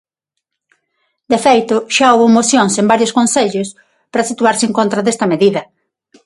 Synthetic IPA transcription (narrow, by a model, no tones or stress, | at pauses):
d̪efejt̪ʊʃaowβomoθjoŋsembaɾjoskonseʎʊs | pɾɐsit̪uaɾsɪeŋkõnt̪ɾɐðest̪ɐmeðiðɐ